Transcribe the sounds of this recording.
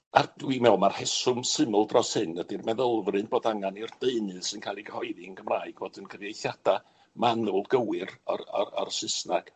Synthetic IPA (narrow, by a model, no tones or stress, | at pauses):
ard̥wimɛwlmar̥hɛsʊmsɨməlˠdrɔshɨnədirmɛðəlˠvrɨnboːdaŋanird̥eɨnɨðsɨnkʰaːlˠiɡəhɔɨðɪəŋɡəmraːɨɡvoːdənɡʰərjejθjad̥a | manʊlˠɡəwɨra̰a̰a̰rsɪsnaɡ̥